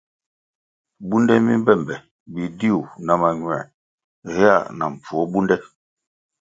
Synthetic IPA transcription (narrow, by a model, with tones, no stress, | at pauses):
bu˦ndɛ˦mi˦m˦bɛ˦˨mbɛ˨ | bi˨di˦u˨na˨˦ma˨ɲwɛ̰˨ | ɣɛ˦a̰˦˨na̰˨ɱ˨p͡fɔ˨˦bu˦ndɛ˦